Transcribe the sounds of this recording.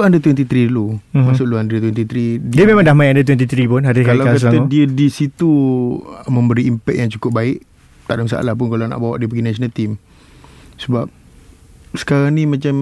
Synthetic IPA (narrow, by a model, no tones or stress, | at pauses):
andət̪wɛnt̪it̪ɾidulumasʊʔluandət̪wɛnt̪it̪ɾiddiəmemãŋdahmaiandət̪̬wɛnt̪̬it̪ɾipʊnɦadikallaakasət̪aadiədisit̪u | mə̃mbəɾiːmpɛk̚jaŋt͡ʃukʊp̚baɪʔ | t̪aʔdams̬a̰ʔa̰lahp̬ʊnkalana̰ʔbawaʔdiəp̬əɡinasonət̪im | səbap̚ | sə̥kaɾaŋnimãt͡ʃam